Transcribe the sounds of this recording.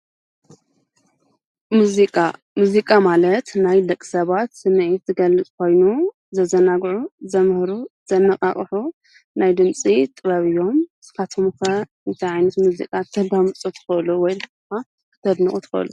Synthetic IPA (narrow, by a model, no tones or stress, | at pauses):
muzikʼa | muzikʼamalɐt̪najlɐkʼːi̥sɐβat̪sɨmʕit̪zɨɡɐlːɨt͡sʼkʰo̞jnu | zɐzɐnaɡʕuzɐmhɾuz̥ɐnːɐqʼa̰χʼħu | najd̪ɨnt͡sʼit̪ʼɨβɐβɨjːo̞mz̥ɨkat̪ʰomkɐ | ɨnt̪ʰajʕajnɐt̪muzḭkʼat̪ʰɐd̪amɨt͡sʼut̪ʰɨ̥xɨluwɔjz | ka | kʰɨ̥t̪ʰɐd̪nɨkʼut̪ʰɨ̥xɨ̰ʔlu